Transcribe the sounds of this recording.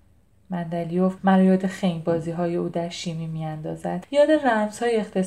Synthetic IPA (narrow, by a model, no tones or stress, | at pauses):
mænd̪ælijofmæɾjɒːd̪exejnbɒːziːɦɒːje̞uːd̪æɾʃimiːmiːænd̪ɒːzæd̪̥jɒːd̪e̞ræmz̥hɒːjeext̪ʰe̞